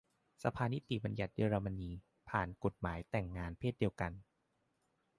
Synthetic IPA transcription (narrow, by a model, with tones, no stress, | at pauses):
sa˧pʰaː˧ni˦˥t̪i˨˩ba˧nja˨˩t̪̚jeː˧ɾaː˧ma˧niː˧ | pʰaː˨˩nko˨˩t̪̚maː˩˦jt̪ɛ˨˩ŋːaː˧npʰeː˥˩t̪̚di˧əwka˧n